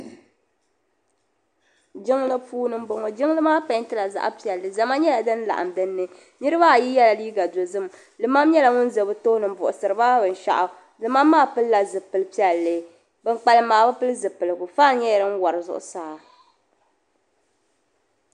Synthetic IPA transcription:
d͡ʒɪ˦ŋlɨ˦puː˦nɨ˦m˦bo˨ŋo˨d͡ʒɪ˦ŋ˦lɨ˦maː˦pa˨˦n˦tɨ˦la˨za̰˦ʔa̰˦pi˦ɛ˨lːɨ˨za˨ma˦ɲɛ˦la˨dɨ˦n˦la̰˨ʔa̰˨mdɨ˦nːɨ˦ | nɨ˦ɾɨ˦ba˦a˨ji˦jɛ˦la˨liː˦ɡa˨do˨zɨ˦m˨ | lɨ˨ma˦m˦ɲɛ˦la˨ŋʊ˦n˦zɨ˨bɨ˨to˦hnɨ˨m˨bʊ˨ʔʊ˨sɨ˨ɾɨ˨ba˦bɨ˨n̩˨ʃa̰˨ʔa˨ | lɨ˨ma˦mːaː˦˨pɨ˦lla˨zɨ˨pɨ˨lɨ˦pi˦ɛ˨lːɨ˨ | bɨ˨ŋ˦k͡pa˨lɨ˦maː˨ba˦pɨ˦lɨ˦zɨ˨pɨ˨lɨ˨ɡʊ˨faː˦ɲɛ˦jɛ˨ɾɨ˦ŋ̩˦wa˨ɾɨ˨zʊ̰˦ʔʊ̰˦saː˦˨

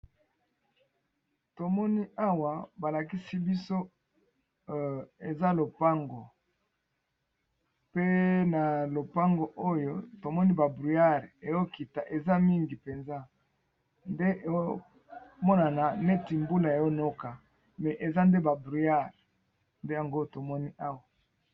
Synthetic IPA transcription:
to˨mɔ˦ni˦a˦wa˨ba˨la˨ki˦si˦bi˦so˦ | e˨za˦lo˨pa˦ŋɡo˨ | pe˦na˨lo˨pa˦ŋɡo˨ʔo˦jo˦to˨mɔ˦ni˦ba˨bʁy˨a˦ʁe˨jo˦ki˨ta˨ʔe˨za˦mi˦ŋɡi˨pe˨nza˦ | nde˦ʔe˨o˦ | mɔ˦na˨na˨ne˦ti˨mbu˦la˨ja˨jo˦no˦ka˨ | mɛ˨ʔe˨za˦nde˦ba˨bʁy˨ja˦˨ʁ | nde˦ja˨ŋɡo˦to˨mɔ˦ni˦ʔa˦wa˨

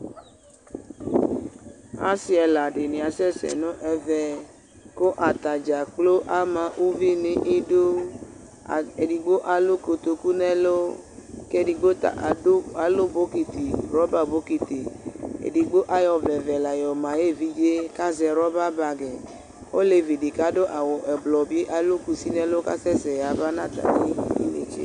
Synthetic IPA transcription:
a̰˦si˦ɛ˧la˨ɖe˨nĩ˨a˨sɛ˦˨sɛ̰˨nõ˦ʔɛ˨vɛ˨ | ko˦ʔa˨t̪a˨d͡ʒa˨k͡plo˦ʔa˦mã˨ʔu˦vi˦nĩ˨˦ʔi˦du˦˨ | e˨di˨ɡ͡bo˦ʔa˨lu˦ko˨t̪o˨ku˦nɛ˦lo˦ke˦di˨ɡ͡bo˦ta̰˨ʔa˨lo˦bo˨˦ki˨t̪i˨ɾɔ˦ba˦bo˦ki˨t̪e˨ḛ˨di˨ɡ͡bo˦ʔa˦jɔ˨vlɛ˨vɛ˨la˨jɔ˨mã˨je˦˨vi˦d͡ʒe˦ka˦zɛ˨ɾɔ˦ba˦ba˨ɡɛ˨ | o˦le˨vi˨di˨ka˦do˦ʔa˨wɔ˨ʔɛ˨blɔ˨bi˦e˦ʔa˨lu˦ku˨si˦nɛ̃˦lo˦ka̰˦sɛ˦sɛ˨ja˨ba˦nã˦t̪a̰˨ni˦ḭ˦nḛ˦t͡ʃḛ˦

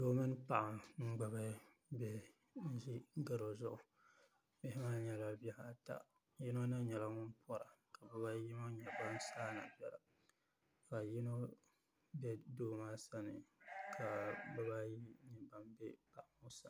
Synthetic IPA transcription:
doː˦mɨ˦n˦pa˨ʔa˨ŋ͡m̩˦ɡ͡ba˨ba˦ | bɛ˦ | n̩˦ʒi˦ɡa˨ɾo˨zʊ˦ʔʊ˨ | mɪ˦hɪ˦maː˦ɲɛ˨la˨˦ba˦ha˨˦˨ta̰˨ | ji˦no˦na˦ɲɛ˨la˦ŋʊ˦npʰɔ˦ɾa˨ka˨bɛ˦ba˦ji˦ma˦ɲɛ˨ba˦nsaː˦na̰˨bjɛ˨la̰˨ | ka˨ji˦no˦ | bɛ˦doː˦maː˦sa˦nɨ˨kʰa˨bɛ˦ba˦ji˦ɲɛ˨ba˦mbɛ˦pa˨ʔa˨mʊ˦sa˨˦

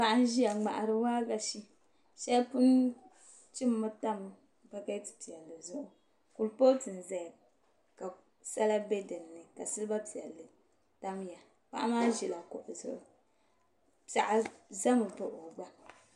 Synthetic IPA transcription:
pa˨ʔa˦n˦ʒi˦ja˨ŋ͡ma̰˨ʔa˨ɾɨ˦waː˦ɡa˨ʃi˦ | ʃɛ˦pu˦n | t͡ʃi˦mː˦ɨ˦ta˦m˨ | ba˦ka˦ti̥˨ti˨a˨lːɨ˨zʊ˦ʔʊ˦ | ku˨lpo˦tɨ˨n̩˨za˨ | ka˨ | sa˦la˦be˦dɨ˨m˨nɨ˨ka˨sɨ˦lɨ˦ba˦pi˨ɛ˨lːɨ˨ | ta˦mja˨ | k͡pa̰˦ʔa˦maː˦ʒi˨la˨kʊ˨ʔzʊ˦ʔʊ˨ | a˨ʔa˨za˦mɨ˨po˦ʔo˨ɡ͡ba˦

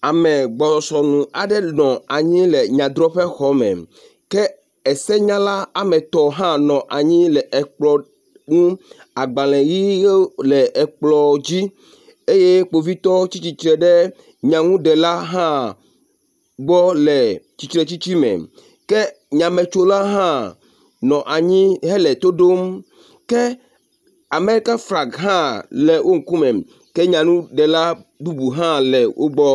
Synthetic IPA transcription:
a˨mɛ˨ɡ͡bɔ˨sɔ˨sɔ˨nũ˨a˨ɖɛ˦nɔ̃˨a˨ɲĩ˦lɛ˨ɲã˨d̪ɾɔ˦ɸɛ˦xɔ˨˦mɛ̰̃˨ | kɛ˦ | ɛ˨sɛ˦ɲã˦la˦a˨mɛ̃˨t̪ɔ˨ɦã˦nɔ̃˨ʔa˨ɲĩ˦lɛ˨ʔɛ˨k͡plɔ˨ | ŋũ˦ | a˨ɡ͡bã˨lɛ̃˨ji˦lɛ˨ʔɛ˨k͡plɔ˨d͡ʑi˦ | e˦je˦k͡po˨vi˦t̪ɔ˦t͡ɕi˦t͡ɕi˦t̪ɾɛ˨ɖe˦ | ɲã˨ŋũ˦ɖɛ˨la˦ɦã˦ | ɡ͡bɔ˦lɛ˨t͡ɕi˨t̪ɾɛ˨t͡ɕi˦t͡ɕi˦mɛ̰̃˨ | kɛ˦ | ɲã˨mẽ˨t͡ʃo˦la˦ɦã˦ | nɔ̃˨ʔa˨ɲĩ˦ɦɛ˦lɛ˨t̪o˦ɖo˦m | kɛ˦ | a˨me˦ɾi˦ka˦fɾa˨ɡɦã˦lɛ˨wʔo˦ŋ̩˨ku˦mɛ̃˨ | kɛ˦ɲã˨nũ˦ɖɛ˨la˦bu˦bu˨ɦã˦lɛ˨wʔo̰˦ɡ͡bɔ˦

